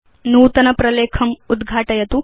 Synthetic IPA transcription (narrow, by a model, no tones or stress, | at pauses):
nuːt̪ɐnɐpɾɐleːkʰɐmud̪ɡʱaːʈɐjɐt̪u